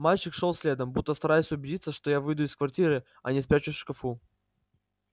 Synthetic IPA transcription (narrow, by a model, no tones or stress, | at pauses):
malʲt͡ɕɪkʂolˠsʲlʲe̞d̪əmbut̪ːəst̪ɐɾajʊsʲʊbʲɪdʲit̪səʂt̪o̞javɨjd̪ʊɪskvɐrtʲiɾɨ | ɐ̰nʲɪspʲɾʲæt͡ɕʊʂkɐfu